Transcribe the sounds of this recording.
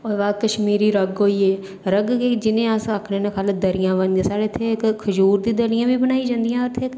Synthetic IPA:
ɔːɾʋaːkəʃmiːɾiːɾəɡɦoːiːeː | ɾəɡked͡ʒɪnẽːasakʰneːnekʰaːld̪əɾɪjãːʋənd̪ẽsaːɾeːt̪ʰekkʰəd͡ʒuːɾd̪ĩːd̪əɾɪjãːbiːbənaːid͡ʒãːnd̪ijãːɾt̪ʰeːk

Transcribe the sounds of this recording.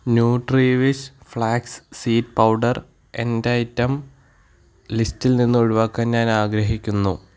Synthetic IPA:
njuːɖriːʋisfɭaːkssiːt̚pɐwɖɐr | e̞ndɐjtːɐm | listilninːuoɻuʋaːkːaːnɲaːnaːɡɾɐɦikʲːunːu

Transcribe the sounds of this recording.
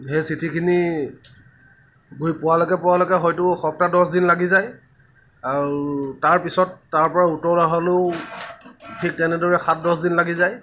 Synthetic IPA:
hejsitʰikʰini | ɡujpʊwalɔkɛpʊwalɔkɛxɔjtʊxɔp̚tadɔsdinlaɡizaj | aɹutaɹpisɔtːaɹpɔɹautɔɹlaɦɔloʊ | tʰik̚tɛnɛdɔɹɛxat̚dɔsdinlaɡizaj

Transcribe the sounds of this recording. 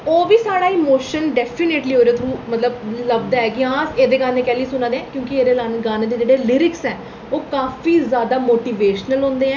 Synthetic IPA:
oːʋiːsaːɽaːɪmoːʃənɖɛːpʰineːʈliːoːɾeːt̪ʰɾũːmət̪ləbləb̚d̪aɛːkiãːseːd̪eːɡaːnẽːkɛːliːsʊnãːd̪eɛ̃ːkjõːkieːɾeːlanɡaːneːd̪eːd͡ʒeːɽeːlɪɾɪksɛː | oːkaːfiːzjaːd̪aːmoːʈiːʋeːʃnəlɦõːnd̪eːɛ̃ː

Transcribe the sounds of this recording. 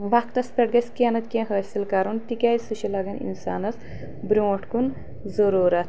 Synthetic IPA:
ʋakt̪ɐspʲeʈ̚ɡɐsʲkenɐt̪kʲẽɦəːsilkɐɾunt̪ikʲɐːjsuʃilɐɡɐnḭnsa̰ːnɐs | bɾʲõːʈʰkun | zɐɾuːɾɐt̪ʰ

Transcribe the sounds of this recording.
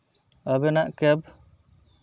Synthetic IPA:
əbɛnaʔkɛb̚

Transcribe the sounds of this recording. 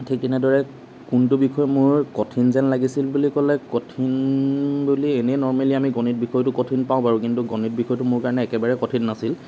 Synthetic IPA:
tʰikinɛdɔɹɛ | kuntʊbikʰɔjmʊɹkɔtʰinzɛnlaɡisilbulikɔlɛkɔtʰinbulienɛjnɔɹmaliamiɡɔnit̚bixʰɔjtʊkɔtʰinpaʊ̃paɹũkintuɡɔnit̚bixʰɔjtʊmʊɹkaɹɔnɛːkɛbaɹɛkɔtʰinːasil

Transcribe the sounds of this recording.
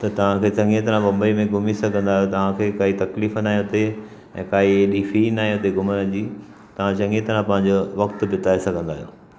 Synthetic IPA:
t̪ɐt̪ɐʋ̤ãkʰeːt͡ɕɐ̃ŋɡẽt̪ɐɾ̤ãmɐ̃mbəimẽɡʱʊmisɐɡʱə̃nd̪aːɦijot̪ɐʋ̤ãkʰeːkaːɦit̪ɐkliːfnaːĩõt̪e | ɛ̃ːkaːɦieːɗiːfinaːɦĩõt̪eɡʱʊmənə̆d͡ʑiː | t̪ɐʋ̤ãt͡ɕɐ̃ŋɡẽt̪ɐɾãpɐ̃ɦɪ̃ɲ̆d͡ʑoʋɐkt̪ʊbɪt̪aːesɐɡʱə̃nd̪aːɦijo̰ː

